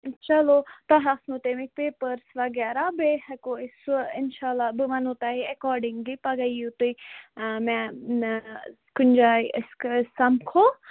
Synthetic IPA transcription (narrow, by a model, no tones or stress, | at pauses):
t͡ʃɐlot̪ɐɦasnut̪emik̚peːpəɾsʋɐɡɛːɾabehɐkoɪsɪnʃaːlːabɨmɐnot̪aɦiɐkɔːɾɖɪŋɡlipɐɡɐjut̪u | mɛ̃ | kʊnd͡ʒaːisksɐmkʰo